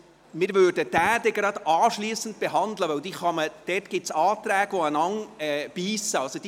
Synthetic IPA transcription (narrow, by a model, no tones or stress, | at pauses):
mɪːɾvøːɾdəd̥æːd̥̪ɛɡɾɑd̪ɑːʃliːsən̩t̪̚b̥eɦɑnd̪ləʋœwd̪iχɑməd̥ɛtɡ̥ɪtsɑːt̪ɾæːɡ̥ʋoənɑŋɛb̥iːsəɑlsod̥̪i